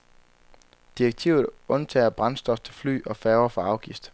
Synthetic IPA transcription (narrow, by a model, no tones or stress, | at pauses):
d̥ieɡ̥̚t͡sʰiʊð̞̩ˠɔ̽nt͡sʰɛ̰ːɐb̥ʁɑ̈nsd̥ɒ̽ft͡sʰe̝lfly̰ːɒ̽fɛːʊɐfɒ̽ɑ̈ʊɡ̥ifd̥